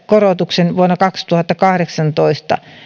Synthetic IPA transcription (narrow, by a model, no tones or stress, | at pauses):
korot̪uksenʋuonːɑkɑkst̪uhɑt̪ːɑkɑhɾeksɑnt̪oist̪ɑ̰